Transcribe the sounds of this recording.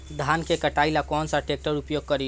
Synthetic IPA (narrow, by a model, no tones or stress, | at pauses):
d̪ʱankekəʈailakɔnsaʈek̚ʈəɾupjoɡ̚kəɾi